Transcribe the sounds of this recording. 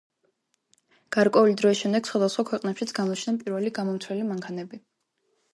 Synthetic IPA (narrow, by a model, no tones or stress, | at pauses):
ɡ̥aɾkʼwɛulid̪ɾɔisʃɛmd̪ɛɡ̥sχwad̪asχwakʰwɛqʼnɛpʃit̪sʰɡanɔt͡ʃʰnɛanpʼiɾvɛliɡamɔmt̪ʰwɛlimaŋkʰanɛbi